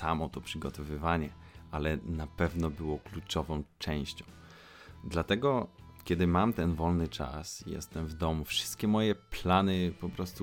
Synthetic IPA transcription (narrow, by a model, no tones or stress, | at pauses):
samɔt̪ɔpʂɘɡɔt̪ɔvɘvaɲɛʔalɛnapɛvnɔbɘwɔklut͡ʂɔvɔ̃w̃t͡ʂɛw̃ɕt͡ɕɔ̃w̃ | d̪lat̪ɛɡɔkʲɛd̪ɘmamt̪ɛnvɔlnɘt͡ʂa̰sijɛ̰st̪ɛmvd̪ɔmufʂɘ̥st̪kʲɛmɔjɛplanɘpɔpɾɔst̪u